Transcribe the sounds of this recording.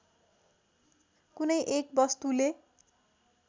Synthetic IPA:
kunʌjʔek̚bʌst̪ule

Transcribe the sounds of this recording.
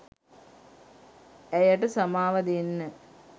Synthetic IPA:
æjəʈəsamaːʋɐd̪enːə

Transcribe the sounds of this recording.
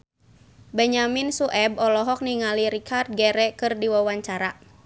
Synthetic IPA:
bɛɲaminsuʔɛb̚ɔlɔɦɔk̚niŋaliɾikʰart̪̚ɡɛɾɛkɨrdiwawaɲt͡ʃaɾa

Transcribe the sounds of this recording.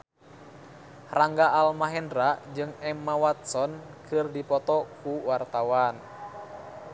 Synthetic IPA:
raŋɡaʔalmaɦɛndɾad͡ʒɨŋɛmːawat̪̚sɔnkɨrdipɔt̪ɔkuwart̪awan

